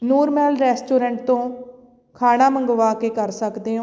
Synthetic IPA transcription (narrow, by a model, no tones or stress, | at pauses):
nuːɾmɛːlɾɛːsʈoːɾɛ̃ɳʈ̚t̪õː | kʰaːɽ̃aːməŋɡʋaːkeːkəɾsəkd̪eːɦõ